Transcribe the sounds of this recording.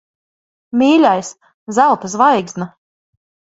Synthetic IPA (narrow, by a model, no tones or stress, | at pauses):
mʲiːlʲajs | zælˠt̪as̬vajɡzna